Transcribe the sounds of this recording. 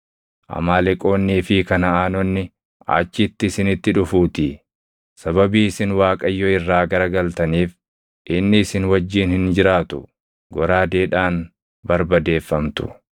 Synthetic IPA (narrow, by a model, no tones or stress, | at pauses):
ʔɐ̰maːlɛkʼo̞ːnːiːfɪkɐnɐaːnɔnːɪ | ʔa̰ːt͡ʃːɪt̪ːɪːsɪnɪt̪ːɪᶑʊfuːt̪i | sɐβɐbiːɪsɪnwaːkʼɐjːɔɪrːaːɡɐɾɐɡɐlt̪ɐniːf | ʔɪnːɪːsɪnwɐd͡ʒːiːnhɪnd͡ʒɪɾaːt̪ʊ | ɡɔɾaːd̪e̞ːᶑaːn | bɐɾbɐd̪e̞ːfːɐmt̪ʊ̥̰